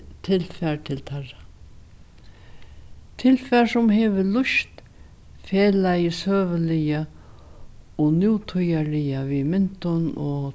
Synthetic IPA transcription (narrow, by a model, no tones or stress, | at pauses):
t̪ʰɪlfɛɾt̪ʰɪlt̪ʰara | t̪ʰɪlfɛɾsʊmɦɛːvɪlʊʃt̪ | fɛːlajəsœːvɪlɪja | ɔnjuːt̪ʰʊjalɪjavimɪn̥t̪ʊnɔ̰